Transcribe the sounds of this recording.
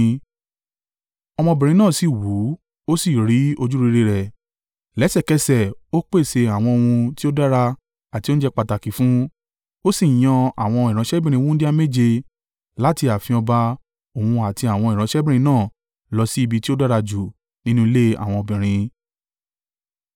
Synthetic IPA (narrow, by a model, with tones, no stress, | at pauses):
ɔ˧mɔ̃˧bĩ˨ɾ̃ĩ˧nãː˦˨si˨wu˨˦ | o˦si˦˨ɾi˨˦o˧d͡ʒu˦ɾi˧ɾe˧ɾɛ˨ | lɛ˨˦sɛ˦˨kɛ˧sɛ˦˨o˦k͡pe˦˨se˧a˨w̃ɔ̃˧o˧wũ˧ti˦o˦da˦ɾa˧ | a˨ti˨˦o˦n̩ũ˦d͡ʒɛ˦k͡pa˧ta˨ki˨˦fũ˦ | o˦si˦˨j̃ɔ̃˧a˨w̃ɔ̃˧i˨ɾã˨˦ʃɛ˦bĩ˦ɾ̃ĩ˧wu˦di˦a˧me˦˨d͡ʒe˧ | la˦ti˧a˨fĩ˧ɔ˧ba˧ | o˨hũ˧a˨ti˧a˨w̃ɔ̃˧ĩ˨ã˨˦ʃɛ˦bĩ˦˨ĩ˧nãː˦˨ | lɔ˧si˦i˧bi˧ti˦o˦da˦ɾa˧d͡ʒu˨ | nĩ˦nũ˦i˧le˦a̰˨w̃ɔ̃˧ɔ˧˨bĩ˨ɾ̃ĩ˧